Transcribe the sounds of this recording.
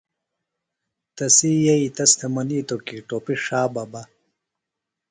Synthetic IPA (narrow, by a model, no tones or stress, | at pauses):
t̪ɐsiːjɐit̪ɐst̪ʰɐmɐniːt̪okiʈoːpiʂaːbɐbɐ